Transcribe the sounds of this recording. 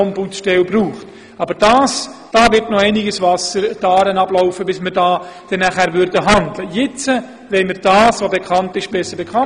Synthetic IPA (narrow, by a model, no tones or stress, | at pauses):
ɔmbut͡sʃtɛlbruːχt | ɑbəɾd̥ɑːsd̥ɑːvɪɾtnoɛɪnɪɡəsvɑsəɾd̥ɑːɾənɑb̥lɔʊfəbɪsməɾdɑːd̥ɛnːæχæɾʋʏɾdəɦɑndləjɪt͡sə | ʋɛɪməɾd̥ɑːsʋobekʰχɑntɪʃb̥ɛsəɾbekʰχɑ